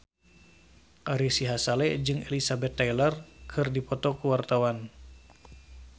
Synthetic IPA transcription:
ʔaɾisiɦasalɛd͡ʒɨŋelisabɛt̪ːajlərkʰɨrdipɔt̪ɔkuwart̪awan

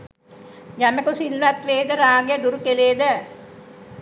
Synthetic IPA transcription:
jamekusilʋat̪ʋeːd̪əɾaːɡejəd̪uɾukeleːd̪ə

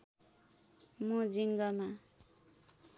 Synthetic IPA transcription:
mũd͡ziŋɡʌma

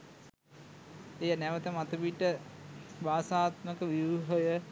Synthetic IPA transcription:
ejənæʋət̪əmat̪uʋiʈːəʋaːsaːt̪məkəʋiʋɦojə

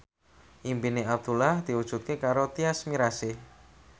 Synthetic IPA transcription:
ʔimpineab̚d̪̥ulahd̪̥iwud̥ʒ̥ṳt̪̚kekaɾot̪iasmiɾasɪh

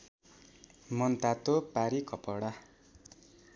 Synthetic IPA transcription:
mʌnt̪at̪opaɾikʌpʌɽa

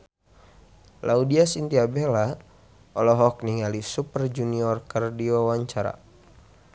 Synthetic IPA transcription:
laudiasint̪iabɛla | ɔlɔɦɔk̚niŋalisupərd͡ʒuniɔrkərdiwawaɲt͡ʃaɾa̰

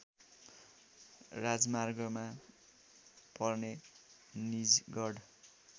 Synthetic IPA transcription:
rad͡zmarɡʌma | pʌrne | nid͡zɡʌɽ

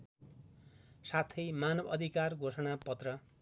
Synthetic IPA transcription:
sat̪ʰʌjmanʌbʌd̪ʱikarɡʱosʌɽ̃apʌt̪rʌ

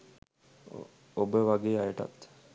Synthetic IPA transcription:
obəʋaɡeːajəʈa̰t̪

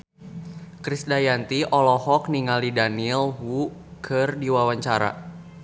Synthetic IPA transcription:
kɾisdajant̪iʔɔlɔhɔk̚niŋalidanilɦukʰɨrdiwawaɲt͡ʃaɾa̰

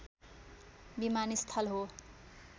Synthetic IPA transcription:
bimanist̪ʰʌlɦo

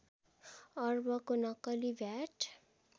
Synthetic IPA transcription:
ʌrbʌkonʌkʌlibʱjaʈʰ

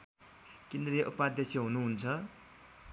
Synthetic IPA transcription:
kend̪ɾieʔupad̪esʌɦunuɦunt͡sʰʌ

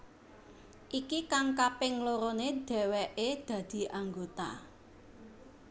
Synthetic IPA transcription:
ʔikikaŋkapɪŋloɾoneɖ̪̥ɛ̤wɛʔed̪̥ä̤d̪̥i̤ʔaŋɡot̪a̰

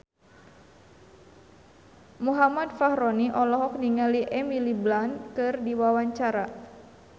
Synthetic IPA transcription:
muɦamadfahɾɔniʔɔlɔɦɔk̚niŋaliʔɛmiliblankɨrdiwawaɲt͡ʃaɾa

